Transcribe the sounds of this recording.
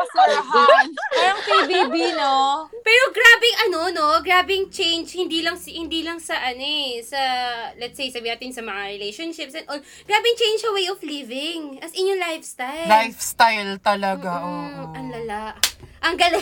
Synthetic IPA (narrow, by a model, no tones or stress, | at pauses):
aɾɐŋpibiːbinopɛːɾoɡɾaːbɛŋɐnono̞ɡɾaːbɛŋt͡ʃejnd͡ʒhɪnd̪ilɐŋshɪnd̪iːlɐŋsɐʔɐnɛsɐlɛt̪sejsɐbinaːt̪ɪnsɐmɐŋaɹɪlejʃonʃɪp̚sɐnʔon | ɡ̥ɹaːbɪŋt͡ʃejnd͡ʒɐwejoflivɪŋʔɐsʔɪɲoŋlajfst̪ajllajfst̪ajlt̪ɐlɐɡaʔɐnlɐlaʔʔɐŋɡɐl